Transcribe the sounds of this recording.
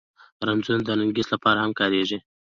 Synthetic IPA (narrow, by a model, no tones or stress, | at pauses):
ɾanzund̪ənaŋɡislapɑɾahamkɑɾeʒi